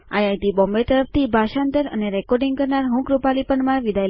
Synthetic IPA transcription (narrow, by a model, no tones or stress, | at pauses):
a̰jajt̪ibɔmbet̪əɾəft̪ibʱaʃand̪əɾə̰neɾɛkɔɾɖĩŋɡkəɾnaɾɦũkɾupalipəɳmaɾʋid̪ʱaj